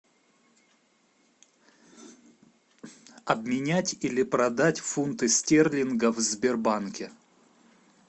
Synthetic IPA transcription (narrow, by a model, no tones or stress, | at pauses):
ɐbmʲɪnʲætʲilʲɪpɾɐd̪atʲfunt̪ɨsʲtʲerlʲɪnɡəvzʲbʲɪrbankʲɪ